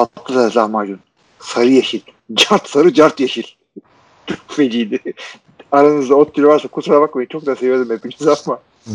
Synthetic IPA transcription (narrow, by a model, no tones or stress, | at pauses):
at̪ʰːɯlalahmaːd͡ʒun | saɾɯjaʃilʲ | d͡ʒaɾt̪saɾɯd͡ʒaɾt̪jaʃilʲ | d̪̥uɾfed͡ʒiːni | aɾanɯzd̪aot̪ʰːiɾvaɾsakʰut̪ɾaβakmeint͡ʃʰo̞k̚d̪aːasevied̪imhepimizapma